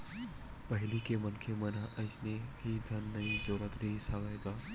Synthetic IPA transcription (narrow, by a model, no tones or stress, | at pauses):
pɐɦɪlikemɐnkʰemɐnaʔɐɪt͡ʃnekʰid̪ʱɐnːɐĩd͡ʒoːɾət̪ɾɐɦisaʋɐeɡaː